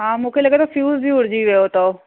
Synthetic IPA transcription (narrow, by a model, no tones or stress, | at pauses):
ɦãːmũːkʰeləɡet̪ofjuːzbʱiuɽd͡ʑiʋeot̪o